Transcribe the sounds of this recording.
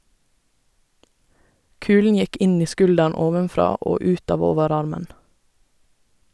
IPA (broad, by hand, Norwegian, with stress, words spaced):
ˈkʉːlɳ̩ ˈjɛk ˈɪn ˈiː ˈskʉldæɳ ˈoːʋənˌfɾɑː ˈoː ˈʉːt ˈɑːʋ ˈoːʋəˌɾɑɾmən